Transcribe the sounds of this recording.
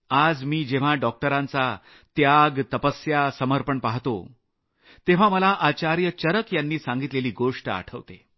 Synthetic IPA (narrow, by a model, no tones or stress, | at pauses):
ad͡zmiːd͡ʑeʋ̤aɖɔk̚ʈəɾãnt͡sa | t̪jaɡt̪əpəsjasəməɾpəɳpaɦt̪o̰ | t̪eʋ̤aməlaʔat͡ɕaɾjət͡ɕəɾəkjanːiːsãŋɡit̪leliːɡoʂʈa̰ʈʰəʋt̪e